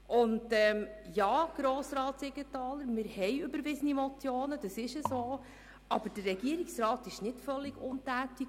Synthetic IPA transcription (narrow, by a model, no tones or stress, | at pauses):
ʔʊndɛmjɑːɡ̥ɾoːsɾɑːt̪sɪɡətɑːləɾmɪɾhɛjøbəɾʋɪzənimɔt͡sjoːnəd̥ɑsɪʃəsoː | ʔɑb̥əɾd̥ərːɛɡiəɾiksɾɑːtɪʃnɪtfœlːɪɡ̥ʊntæːtik